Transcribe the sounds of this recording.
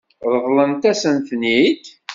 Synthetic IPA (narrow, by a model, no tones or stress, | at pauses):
ðˤəðˤlənt̪æsənt̪nid̪